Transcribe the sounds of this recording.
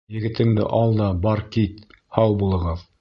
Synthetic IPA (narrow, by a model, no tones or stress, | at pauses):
jɘ̆ɡɘ̆t̪ɘ̆ŋd̪ɘ̰ʔɑlˠd̪ɑbɑɾkit̪ | hɑwbulˠɤ̆ʁɤð